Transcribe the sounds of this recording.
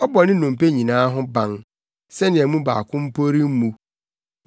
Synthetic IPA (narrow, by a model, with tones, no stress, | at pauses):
ɔ˦bɔ˨nɪ̃˦nʊ̃˨m̩˨pe˦ɲĩ˨nãː˦ɦʊ̃˦bã˨ŋ | sɛ˦nɪ̃˨æ˨mũ˦ba̰˨kʰʊ̃˦m̩˦pʰo˦ɾi˦m̩˦mũ˦